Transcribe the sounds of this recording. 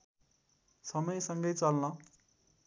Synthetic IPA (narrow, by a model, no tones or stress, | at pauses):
sʌmʌjsʌŋɡʌjt͡sʌlnʌ